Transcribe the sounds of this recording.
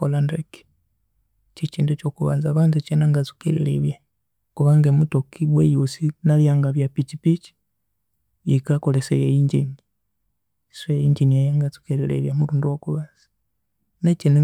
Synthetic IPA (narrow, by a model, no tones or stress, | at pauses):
kolandɾeki̥ | t͡ʃit͡ʃiːndut͡ʃokuβa̰ːnzaβanzut͡ʃenaŋɡat͡su̥kelḭlḛβja | kuβaŋɡemutokiwwejusinaljaŋɡaβjapit͡ʃipit͡ʃi̥ | jikakolesejejiɲɟiɲi | swejiɲd͡ʒiniajaŋɡat͡su̥kelilḛβjamuɾuːnduwokuβaːnzḁ | nat͡ʃene